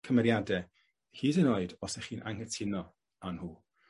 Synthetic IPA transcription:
kʰəmɛɾjadɛ | hiːdənoɨdɔsɛχiːnʔa̰ŋɛtʰɪnɔ | anhuː

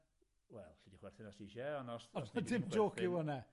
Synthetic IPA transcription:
wɛlˠɬidiχwɛrθɪnasiʃɛɔnɔsɔadɪmd͡ʒoːkʰɪwɔnɛ

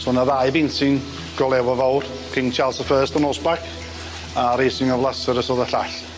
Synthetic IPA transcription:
sɔnaðaɨbɪnsɨn | ɡ̥ɔlˠɛwɔvɔwr | tʰɪnt͡ʃʰalˠsəfəːstɔnɔsbakʰ | aɾejsɪŋɔvlˠasəɾəsɔðəɬaɬ

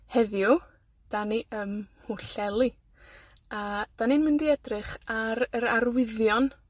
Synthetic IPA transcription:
hɛðju | d̥aniʔəmhuɬɛlˠi | ad̥aninmɪndiɛdrɨχaɾəɾarwɪðjɔn

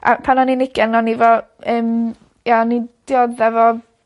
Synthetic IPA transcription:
a̰pʰanɔninɪkɛnnɔnivɔ | əːm | janid̥jɔðɛvɔ

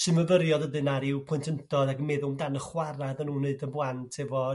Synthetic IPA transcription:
sɨməvəɾjɔdəðɨnaɾɪwpʰʊntʰəntʰɔðaɡəmɛðʊmdanəχwaɾaðənuːnːeɨdəblˠantʰɛvɔ

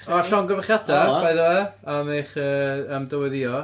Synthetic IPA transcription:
ɔɬɔŋɡəvaχjadabajðɔɛameχəːəmdəwɛðiɔ

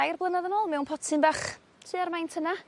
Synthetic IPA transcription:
ajrblˠənaðənoːlˠmɛwnpʰɔtʰɪnbaːχ | tʰɨːarmajntʰəna

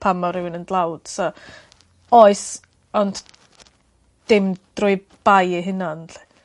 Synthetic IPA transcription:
pʰamɔɾɪwɪnəndlˠawd̥sɔ | ɔɨs | ɔnd | d̥ɪmd̥rʊɨ | b̥ajiɦɪnanɬi̥

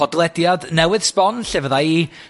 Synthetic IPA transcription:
ɔdlˠɛdjadnɛwɨð̥spɔnɬɛvəðai

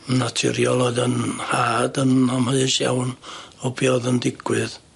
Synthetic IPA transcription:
natʰɪ̰ɾiɔlˠɔdənhaːdənamhəðɨʃja̰wnɔbiɔðəndɪɡ̥wɨð

